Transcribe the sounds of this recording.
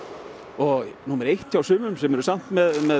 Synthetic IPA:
ɔɣnuːmɛɾejht̪ʰːjiawsʏːmʏmsɛmɛɾʏsam̥t̪mɛðmɛ

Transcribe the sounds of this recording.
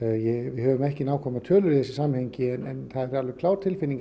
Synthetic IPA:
jɛɣvɪhœːvʏmɛhcɪnawkʰɔmat̪ʰœːlʏɾiðθɛsːɪsamhɛɲcɪɛnɛnθaðɛɾalvɛkʰlaːwɾt̪ʰɪlfɪnːiŋk

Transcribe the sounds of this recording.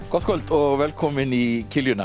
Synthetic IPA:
ɡ̥ɔt̪kʰɔlt̪ʰɔːʋɛlkʰɔmənikʰɪljʉnæ

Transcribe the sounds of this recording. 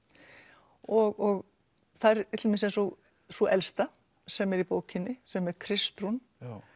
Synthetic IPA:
ɔɣɔɣ | θaðɾɪt̪lmɪnsɛnsɔɣ | suʔɛlst̪a | sɛmɛɾipoːwcɪnːɪsɛmɛɾ̥kʰɾɪst̪ɾun

